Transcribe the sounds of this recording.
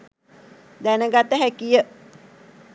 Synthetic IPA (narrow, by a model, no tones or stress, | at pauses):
d̪ænəɡat̪əɦækijə